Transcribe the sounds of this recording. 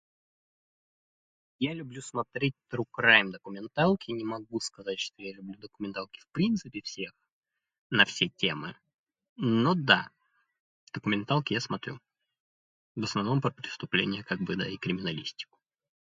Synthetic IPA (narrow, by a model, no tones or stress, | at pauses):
jalʲʊblʲusmɐt̪ɾʲet̚ʲt̪ɾʊkɾajɪmd̪əkʊmʲɪnt̪alˠkʲɪnʲɪmɐɡuskɐzat̚ʲʂt̪o̞jalʲʊblʲud̪əkʊmʲɪnt̪alˠkʲɪ̥fpɾʲint̪sɨpʲɪfsʲex | nɐfsʲetʲe̞mɨ̰ | nod̪a̰ | d̪̥əkʊmʲɪnt̪alˠkʲɪjasmɐt̪ɾʲṵ | vəsnɐvno̞mpɾəpɾʲɪst̪ʊplʲḛnʲɪjəkaɡ̚bɨd̪a̰ɪkɾʲɪmʲɪnɐlʲisʲtʲɪ̥kʊ̥